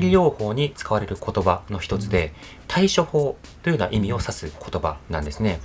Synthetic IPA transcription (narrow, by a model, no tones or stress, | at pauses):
ɾʲiɾʲo̞ːho̞ːɲ̟it͡sɨ̥kaβaɾe̞ɾɯ̟kʰo̞t̪o̞bano̞çi̥t̪o̞t͡sɨd̪e̞ | t̪ʰaiɕo̞ho̞ːt̪o̞jɯ̟na̰ʔimʲio̞sasɨkʰo̞̥t̪o̞ba̰nãnd̪e̞sɨne̞